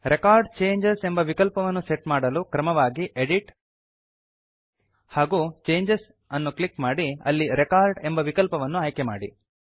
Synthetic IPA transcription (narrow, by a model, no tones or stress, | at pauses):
ɾʔekaːɾɖt͡ʃeːɲd͡ʒese̞mbɐʋikɐlpɐʋɐnːuseʈmaːɽɐlukɾɐmɐʋaːɡiʔeɖiʈ | haːɡut͡ʃeːɲd͡ʒes | ɐnːuklikmaːɽiɐ̰lːiɾekaːɾɖembɐʋikɐlpɐʋɐnːuaːjkema̰ːɽḭ